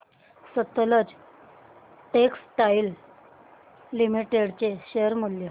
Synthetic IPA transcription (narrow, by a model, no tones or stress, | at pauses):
sət̪ːələd͡z | ʈeksʈail | imiʈeɽt͡ɕeɕeəɾmuljə